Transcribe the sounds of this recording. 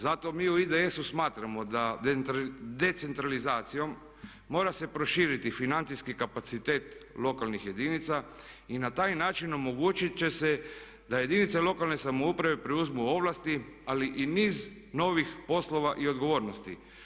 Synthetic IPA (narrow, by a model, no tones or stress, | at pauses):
zat̪o̞miːuid̪eesusmaːt̪ɾamo̞d̪a | d̪e̞t̪se̞nt̪ɾalizaːt̪sijo̞mː | o̞ːɾase̞pɾo̞ʃiːɾit̪ifinant̪siskikapat̪sit̪e̞ːt̪lo̞kalnixje̞d̪init̪sa | inat̪aːjnaːt͡ʃino̞mo̞ɡuːt͡ʃit͡ʃe̞se̞ | d̪aje̞d̪init̪selˠo̞kalˠne̞samoupɾaʋe̞pɾeuzmuo̞ʋlˠast̪ialiʔiniːz | no̞ːʋixpo̞slo̞ʋaʔio̞d̪ɡo̞ʋo̞ːɾnost̪i